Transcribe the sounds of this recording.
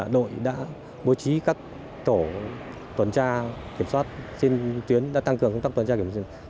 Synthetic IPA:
ɗo̰˧˨jɗa̰ː˧˥ | ɓo˨˦t͡ɕi˨˦kaː˦˥k̚ | t̪o˧˩ | t̪wə˨˩nt͡ɕaː˧ki˧˩əmswaː˦˥t̚si˧nt̪wi˨˦ənɗa̰ː˧˥t̪a˧ŋkɨ˨˩əŋkŋ͡m̪t̪a˦˥kt̪wə˨˩nt͡ɕa˧ks

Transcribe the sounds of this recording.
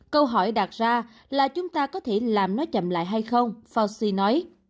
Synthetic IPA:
kə˧wɦɔ˧˩jɗa˨˩t̚zaː˧ | laː˨˩t͡ɕʊ˨˦ŋ͡mt̪aː˧kɔ˨˦t̪ʰe˧˩laː˨˩mnɔ˨˦t͡ɕə̰˧˨mla̰ː˧˨jɦa˧jxə˧wŋ͡mfa˧wsi˧nɔ˨˦j

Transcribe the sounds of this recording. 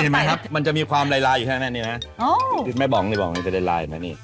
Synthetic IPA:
niː˥˧˩m˦˥kʰa˦˥pma˧nt͡ɕa˨˩ʔmiː˧kʰwaː˧mɾaː˧jlaː˧ju˨˩˥nː˧˥˧niː˥˩m˦˥o˧˥ɯ˧˩ma˥˩bɔ˩˦ŋniː˥˩bɔː˨˩˦ŋniː˧˩pde˧˩la̰ː˧ja̰˨˩ma˦˥niː˥˩

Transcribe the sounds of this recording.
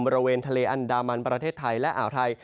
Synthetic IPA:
mbɔː˧ɾa˧weː˧nt̪ʰa˧leː˧ʔa˧ndaː˧ma˧npɾa˧t̪ʰeː˥˩t̪ʰːa˧jlɛ˦˥ʔa̰ː˩˦wt̪ʰa˧j

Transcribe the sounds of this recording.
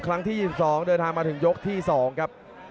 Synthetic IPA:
kʰɾa˦˥ŋt̪ʰiː˥˩jiː˨˩i˩p̚sɔː˩˦ŋdɤː˧nt̪ʰaː˧ŋmaː˧t̪ʰɯ˩˦ŋjo˦˥k̚t̪ʰiː˥˩sɔː˩˦ŋkʰɾa˦˥p̚

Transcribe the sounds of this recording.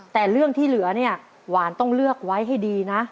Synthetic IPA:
t̪ɛː˨˩ɾɯ˥˩əŋt̪ʰiː˥˩lɯ˨˩˦ɐni˥˩ɐ | waː˩˦nt̪ɔ˥˩ŋlɯ˥˩ək̚wa˦˥jɦa˥˩jdiː˧na˦˥

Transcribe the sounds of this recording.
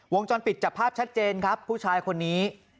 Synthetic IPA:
wo˧ŋt͡ɕɔː˧npi˨˩t̪̚t͡ɕaː˨˩kpʰːaː˥˩p̚t͡ɕʰa˦˥t̪̚t͡ɕeː˧nkʰɾa˦˥pʰːuː˥˩t͡ɕʰaː˧jkʰo˧nːiː˦˥

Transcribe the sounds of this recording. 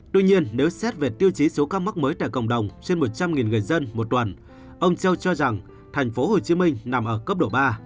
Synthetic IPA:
t̪wi˧ɲi˧ənːe˨˦wsɛ˦˥t̚ve˨˩t̪i˧əwt͡ɕi˨˦so˨˦kaː˦˥ma˦˥k̚məː˨˦jt̪a̰ː˧˨jkə̰˧˩wŋ͡mɗə˨˩wŋ͡mt͡ɕe˧nmo˨˩t̚t͡ɕa˧mŋi˨˩nŋɨ˨˩əjzə˧nmo˨˩t̚t̪wə˨˩n | ʔə˧wŋ͡mt͡ɕə˧wt͡ɕɔ˧za˨˩ŋ | t̪ʰɛ˨˩jŋ̟fo˨˦ho˨˩t͡ɕi˨˦mï˧ŋ̟na˨˩mʔəː˧˩kə˦˥p̚ɗo̰˧˩ɓaː˧

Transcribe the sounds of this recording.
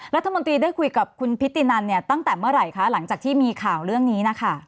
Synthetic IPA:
ɾa˦˥t̪ʰːa˧mo˧nt̪ɾiː˧daː˥˩jkʰu˧jka˨˩p̚kʰu˧npʰi˦˥t̪ːi˧na˧nːi˥˩ɐt̪a˥˩ŋt̪ɛː˨˩mɯ˥˩əɾa˧˩jkʰa˦˥la˩˦ŋt͡ɕaː˨˩k̪̚ʰiː˥˩miː˧kʰaː˨˩wɾɯ˥˩əŋniː˦˥na˦˥kʰa˥˩

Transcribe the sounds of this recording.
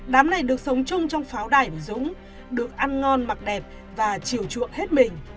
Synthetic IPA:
ɗaː˨˦mna˨˩jɗɨ˨˩ək̚sə˨˦wŋ͡mt͡ɕʊ˧ŋ͡mt͡ɕɔ˧wŋ͡mfaː˨˦wɗaː˧˩jvəː˧˨˩zʊ̰˧˥ŋ͡m | ɗɨ˨˩ək̚ʔa˧nŋɔ˧nma˨˩k̚ɗɛ˨˩p̚ | vaː˨˩t͡ɕi˧˩əwt͡ɕɨ̰˧˨əŋhe˦˥t̚mï˨˩ŋ̟

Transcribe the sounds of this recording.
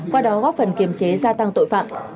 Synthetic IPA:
kwaː˧ɗɔ˨˦ɣɔ˦˥p̚fə˨˩nki˧˨˩əmt͡ɕe˨˦zaː˧t̪a˧ŋt̪o̰˧˨jfa̰ː˧˨mʔ

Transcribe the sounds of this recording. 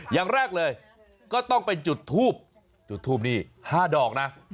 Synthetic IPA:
jaː˨˩ŋɾɛː˥˩k̚lɤː˧j | kɔː˥˩t̪ɔ˥˩ŋpe˧nt͡ɕu˨˩t̪ʰːuː˥˩p̚ | t͡ɕu˨˩t̪ʰːuː˥˩p̚niː˥˩haː˥˩dɔː˨˩k̚na˦˥

